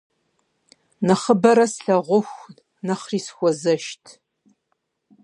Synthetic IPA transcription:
nɐχəbɐɾɐsɬɐʁʷʊxʷ | nɐχriːsxʷɔzɐʃtʰ

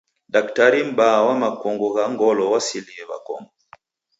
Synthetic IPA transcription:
daktaɾim̩bawamakɔŋɡuɣaŋɡɔlɔwasiliɛβa̰kɔ̰mɔ

